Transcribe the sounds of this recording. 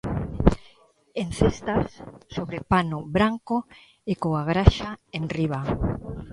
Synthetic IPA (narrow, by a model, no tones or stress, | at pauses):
en̟θest̪asːoβɾepanʊβɾaŋko | ekoaɣɾaʃaenriβa